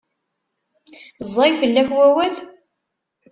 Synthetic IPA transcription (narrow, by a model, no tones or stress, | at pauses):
zˤːɑjfəlːæçwæwæl